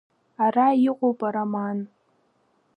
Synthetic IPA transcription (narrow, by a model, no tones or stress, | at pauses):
araiqʷʼopʼaɾaman